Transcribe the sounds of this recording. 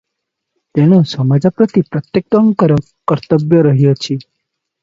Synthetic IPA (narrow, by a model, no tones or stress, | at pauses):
t̪eñosəmad͡ʒapɾət̪ipɾət̪jek̚t̪əŋkəɾo | kəɾt̪əbjəɾəɦjot͡ʃʰi